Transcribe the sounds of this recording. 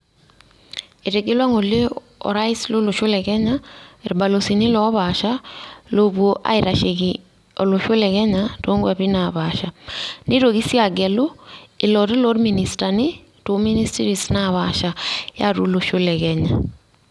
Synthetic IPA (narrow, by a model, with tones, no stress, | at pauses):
e˨ɾe˨ɡe˦lwa˦ŋo˨le˦ | ɔ̰˨ɾa˦i˦slo˦loʃʊ˦lɛkɛɲa˦eɾba˨losini˦lɔ˦βaʃa˦loβwoʔa̰˦iɾaʃeki | ɔlo˨ʃo˦lɛkɛ˦ɲato˦ŋɡwaβi˦naβaʃa˨ni˦ɾoɣi˦sja˨ɡɛ˨lo˦ɪ˨lɔɾi˦lɔ˦dmini˨stanɪ˦ | to˨mi˦ni˦sti˦ɾisnaβaʃaja̰˦ɾṵ˦lo˨ʃo˦lɛkɛɲa